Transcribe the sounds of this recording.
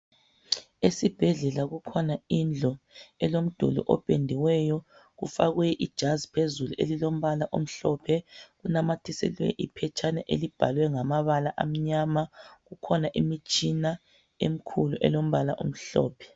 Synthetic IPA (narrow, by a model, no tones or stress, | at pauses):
esib̥ʱɛɮɛlaɣukʰɔnaind͡ɮʱɔɛlom̩d̥ʱṵlṵʔɔ̰pʼendʱiwɛjɔ | ɣṵfaɣujɛʔid̥ʒ̥ʱazi̥pʰezuluʔḛlilom̩βalaʔom̩ɬɔpʰɛɣunamatʰisɛ̰lwɛ̰ʔipʰɛt͡ʃʰʼanɛʔelib̥ʱalwɛŋamaβalaʔa̰m̩ɲamaɣukʰɔnaʔimit͡ʃʼina | em̩kʰuluʔɛ̰lom̩βalaʔo̰m̩ɬɔ̰ːpʰɛ̥